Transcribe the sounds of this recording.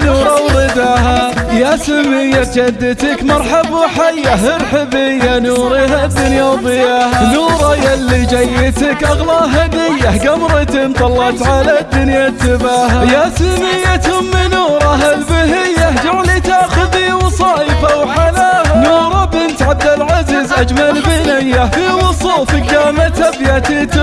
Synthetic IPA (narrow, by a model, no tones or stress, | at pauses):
nuːɾˤɑwɾɪd̪aːɦajasamːɪjːad͡ʒad̪ːɪt̪ɪkmɑɾˤħabuħajːaɦɪɾħɪbɪjːanuːɾiɦad̪ːʊnjawðˤɨjaːhanuːɾˤɑjalːid͡ʒajːɪt̪akʔɑɣlɑːʔɦad̪ɪjːaɡamɾˤɪt̪ɪnt̪ˤɑlːɑt̪ʕalad̪ːʊnjat̪ːɪbaːɦajasʊnɪjːat̪ʊmːɪnuːɾˤɑɦalbɪɦɪjːahd͡ʒʊɾlit̪aːxʊðiwɑsˤɑːjfawħalaːhanuːɾˤɑbɪnt̪ʕab̚d̪alʕaziːzʔad͡ʒmalbɪnɪjːafiwɑsˤuːfɪɡaːmat̪abjat̪it̪